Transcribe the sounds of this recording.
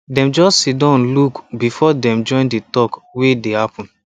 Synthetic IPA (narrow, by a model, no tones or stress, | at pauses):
dɛ̃md͡ʒɔstsidɔ̃nlukbifɔdɛ̃md͡ʒɔ̃ɪ̃nditɔkwedehapɔ̃n